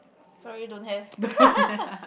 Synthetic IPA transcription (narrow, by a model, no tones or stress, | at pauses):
sɔɹidõnhɛvdo